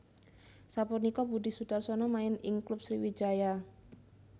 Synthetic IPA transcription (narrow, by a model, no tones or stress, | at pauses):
sapunikɔbudɪsudarsɔnɔmaɪnɪŋklʊp̚sɾiwi̥d͡ʒaja